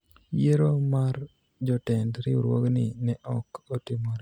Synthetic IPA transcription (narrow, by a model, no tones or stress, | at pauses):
jeɾomaɾ | d͡ʒɔtɛndɾɪuɾwo̰ɡnɪnɛʔɔkotimɔɾ